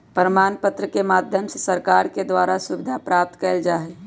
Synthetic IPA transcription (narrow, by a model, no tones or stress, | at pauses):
pəɾmaːnpət̪ɾəkemaːd̪ʱjəmsesəɾkaːɾked̪waːɾasʊbɪd̪ʱapɾaːp̚t̪kɛːld͡ʒaːɦɛ